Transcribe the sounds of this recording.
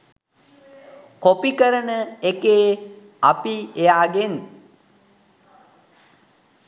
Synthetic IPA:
kopikəɾənəekeː | apiejaːɡen

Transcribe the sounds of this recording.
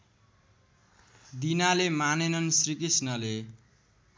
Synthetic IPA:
d̪inalemanenʌnsrikisnʌle

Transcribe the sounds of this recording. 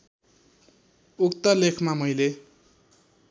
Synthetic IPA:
ukt̪ʌlekʰmamʌjle

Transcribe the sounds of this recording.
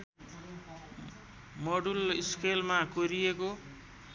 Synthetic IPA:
mʌɽuliskʰelmakoɾijeko

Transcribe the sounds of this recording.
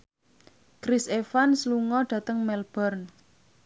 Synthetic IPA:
kɾisefansluŋɔɖ̥ä̤t̪əŋmɛlb̥ɔrn

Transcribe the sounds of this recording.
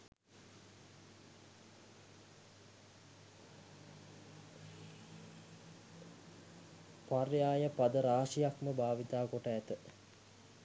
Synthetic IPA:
parjaːjəpad̪əɾaːʂijakməbʱaːʋit̪aːkoʈəæt̪ə

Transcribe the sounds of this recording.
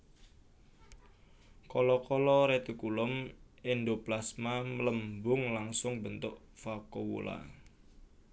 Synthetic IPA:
kɔlɔkɔlɔɾet̪ukulʊmendoplasmamələmbʊŋlaŋsʊŋbənt̪ʊʔ | fakowo̰la̰

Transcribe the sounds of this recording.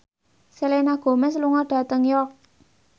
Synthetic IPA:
selenaɡ̥o̤mɛsluŋɔɖ̥ä̤t̪əŋjɔk̚

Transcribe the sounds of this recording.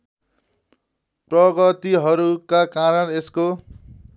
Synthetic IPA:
prʌɡʌt̪iɦʌɾukakaɾʌnesko

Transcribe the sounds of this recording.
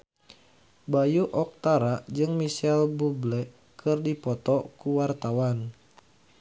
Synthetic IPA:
bajuʔɔk̚t̪aɾad͡ʒɨŋmisɛlbublɛ | kʰɨrdipɔt̪ɔkuwart̪awan

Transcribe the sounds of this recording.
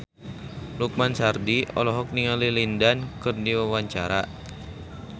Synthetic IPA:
luk̚mansardiʔɔ̰lɔɦɔk̚niŋalilindankɨrdiwawaɲt͡ʃaɾa

